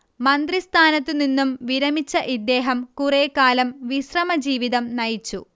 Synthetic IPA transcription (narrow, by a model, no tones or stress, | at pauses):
mɐnd̪rist̪ʰaːnɐt̪ːininːumʋiɾɐmit͡ɕːɐʔid̪ːe̞ːɦɐmkureːkːaːlɐmʋiɕrɐmɐd͡ʑiːʋiðɐmnɐjit͡ɕːṵ